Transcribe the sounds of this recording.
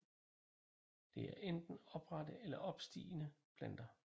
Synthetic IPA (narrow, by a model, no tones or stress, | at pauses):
d̥e̝æɐʔend̥n̩ɒ̽b̥ʁɑdəelɐʔɒ̽b̥sd̥ḭːnəb̥ʰlæn̰d̥ɐ